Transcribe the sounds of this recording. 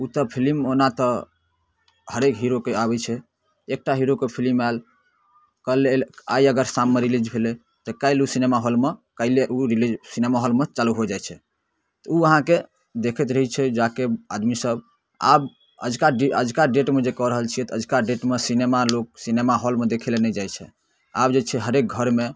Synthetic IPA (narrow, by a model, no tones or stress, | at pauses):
ut̪ɔpʰilimonat̪ɔ | həɾekɦiɾokeabɛt͡ʃʰɛ | ek̚ʈaɦiɾokepʰilimal | kəlela̰iəɡəɾsamːeɾilid͡ʒbʱele | t̪ɔkaileusinemaɦolmekaileʔuɾilid͡ʒsinemaɦolmet͡ʃaluɦod͡ʒajt͡ʃʰɛ | t̪ɔuəɦãke | d̪ekʰɛt̪ɾəɦɛt͡ʃʰɛd͡ʒakea̰d̪misəb | a̰b | ə̰d͡ʒkaɖeə̰d͡ʒʱkaɖeʈmed͡ʒekɔɾəɦəlt͡ʃʰijɛt̪əd͡ʒʱkaɖeʈmesinemalok̚sinemaɦɔlmed̪ekʰilenɛd͡ʒajt͡ʃʰɛ̰ | abd͡ʒet͡ʃʰɛɦəɾek̚ɡʱəɾme